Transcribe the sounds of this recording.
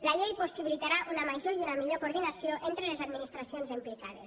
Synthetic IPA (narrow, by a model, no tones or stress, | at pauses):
laʎejposiβilit̪aɾaʔunamaʒoiunamiʎokoɾðinasioʔent̪ɾelezad̪minist̪ɾasionzimplikað̞ḛs